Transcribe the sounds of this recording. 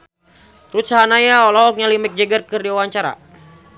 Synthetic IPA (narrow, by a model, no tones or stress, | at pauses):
rut̪̚saɦanajaɔlɔɦɔk̚ɲalimɛk̚d͡ʒəɡərkɨrdiuwaɲt͡ʃaɾa̰